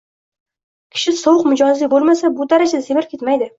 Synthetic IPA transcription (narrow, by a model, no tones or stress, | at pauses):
kʲʰɪ̥ʃɪsowʊqmɪd͡ʒɒzlibolˠmasabʊd̪aɾad͡ʒad̪asemɪɾp̚kʲe̞t̪majd̪ɪ